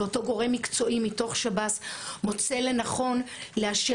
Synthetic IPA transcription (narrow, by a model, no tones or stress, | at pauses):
oto̞ɡo̞ʁe̞mːikt͡so̞ʔimito̞χʃabasmo̞t͡se̞le̞naχo̞n | leaʃe